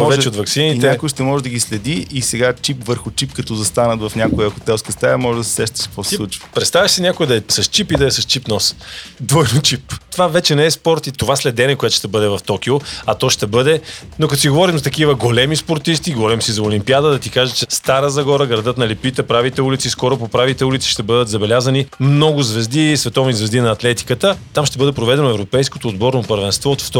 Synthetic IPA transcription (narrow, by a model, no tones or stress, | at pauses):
ɔvɛt͡ʃɛot̪vɐksininɛakʊəʃt̪ɛmɔʒɛd̪ɐɡislɛd̪iʔːsɛɡat͡ʃipvəɾxʊt͡ʃipkɐt̪ɔzɐst̪anət̪vɐfnʲakoɛɐkʊ̥t̪ɛskɛst̪ajɐmɔʒɛd̪ɐsɛ̥sɛʃt̪ɛ̥sɛ̥poslˠut͡ʃvpɾɛt̪st̪avəʃsinʲakoɛd̪ɐɛsɐst͡ʃipid̪ɐɛsɐst͡ʃipnɔsd̪vɔjnot͡ʃipt̪ovavɛt͡ʃɛnɛɛspɔɾt̪it̪ovaslɛd̪ɛnɛkojɛt̪o̥ʃt̪ɛbɤd̪ɛvɐft̪ɔkʲioɐt̪ɔʃt̪ɛbɤd̪ɛnokɐt̪o̥siɡovɔɾimzɐt̪ɐkivəɡolɛmispoɾt̪ist̪iɡovɔɾimsizɐʊlimpiad̪əd̪ɐt̪ikaʒɛt͡ʃɛst̪aɾəzɐɡɔɾəɡɾɐd̪ɤt̪nɐlipit̪ɛpɾavit̪ɛulit̪siskɔɾʊpopɾavit̪ɛulit̪si̥ʃt̪ɛbɤd̪ət̪zɐbɛlʲazənimnɔɡʊzvɛzd̪isvɛt̪ɔvnizvɛzd̪inɐːt̪lɛt̪i̥kət̪ət̪amʃt̪ɛbɤd̪ɛpɾovɛd̪ɛnoɛvɾopɛjskot̪oːd̪bɔɾnopəɾvɛnst̪vɔot̪ft̪